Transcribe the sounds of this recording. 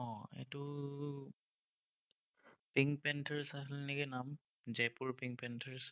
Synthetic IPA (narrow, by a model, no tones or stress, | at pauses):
ɔ̃ɛ̰tu | piŋɡpɛntʰəɹsasilnɛkinam | zɛpuɹpiŋɡpɛntʰəɹs